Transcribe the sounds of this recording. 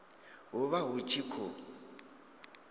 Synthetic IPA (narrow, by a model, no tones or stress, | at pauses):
ɦuβaɦut͡ʃʰikʰo